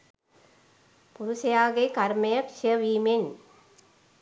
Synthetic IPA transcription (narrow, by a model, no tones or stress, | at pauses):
pʊɾʊsɐjaːɣekɐɾmɐjɐkʃjɐʋiːmɪn